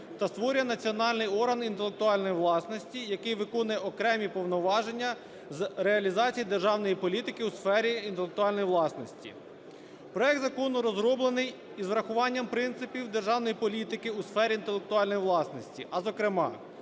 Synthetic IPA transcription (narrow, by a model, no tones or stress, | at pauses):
t̪ɐst̪ʋɔɾʲjɐnɐt͡sʲiɔnɑlʲnɪjɔɾɦɐnint̪elˠek̚t̪ʊɑlʲnɔjiʋlˠɑsnɔsʲtʲijɐkɪjʋɪkɔnʊjɛʔɔkɾɛmʲipɔwnɔʋɑʒenʲːɐ | zɾeɐlʲizɑt͡sʲijid̪e̞rʒɑwnɔjipɔlʲit̪ɪkɪusfɛɾʲiint̪elˠek̚t̪ʊɑlʲnɔjiʋlˠɑsnɔsʲtʲḭ | pɾɔjɛk̚d̪zɐkɔnʊɾɔzɾɔblˠenɪj | izʋɾɐxʊʋɑnʲːɐmpɾɪnt̪sɪpʲiwd̪erʒɑwnɔjipɔlʲit̪ɪkɪusfɛɾʲiint̪elˠek̚t̪ʊɑlʲnɔjiʋlˠɑsnɔsʲtʲiʔɐzɔkɾɪmɑ̰